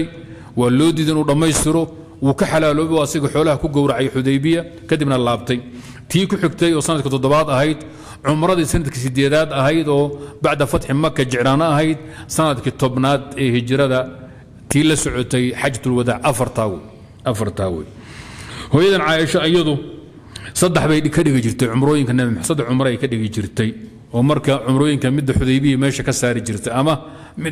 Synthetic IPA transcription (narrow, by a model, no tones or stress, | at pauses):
j | wɑːlɔːd̪iːðɪnuːɖɐmɛjst̪ʰɪɾɔ | uːkʰɐħɑlaːlɔːβɛɔɐsɪɣɐħɔːlɐhɐkʰʊɡɔwɾaʕjɔħʊðɛjbɪjɐkʰɐd̪ibnɐlaːbt̪ʰɛj | t̪ʰiːkʰʊħɪɡt̪ʰɛjɔːsɐnɐd̪kʰɪt̪ʰɔd̪ɔβaːd̪ɐɦɛjd̪ | ʕʊmɾɐðiːsɐnːɐd̪kʰɪsɪd̪ɛːðaːd̪ɐɦɛjd̪ɔːbɑʕd̪ɐfɐt̪ħɪmɐkʰɐt͡ʃɪʕɾaːnɐɐɦɛjd̪sɐnɐd̪kʰɪt̪ʰɔbnaːd̪ɛːhɪt͡ʃɾɐðɐ | t̪ʰiːlɐsɔʕɔt̪ʰɛjħɑt͡ʃt̪ʰʊlwɐðaːʕʔɐfɐrt̪ʰaːwɛ | ʔɐfɐrt̪ʰaːwɛ̰ːj | hɔːjɐðɐnʕɑːjɛʃɔɐjɐðʊ | sɐd̪ɛħβɛjkʰɐɖɪɣɪt͡ʃɪrt̪ʰɛʕʊmɾɔːjɪŋkʰɐnɐmħsɐd̪ɐʕʊmɾɐɛjkʰɐɖɪɣɪt͡ʃɪrt̪ʰɛj | ɔːmɐrkʰɐʕʊmɾɔːjɪŋkʰɐmɪd̪ːɐħʊðɛjβɪjɐmɛːʃɐkʰɐsaːɾɪt͡ʃɪrt̪ʰɛɐmɐ | mɪ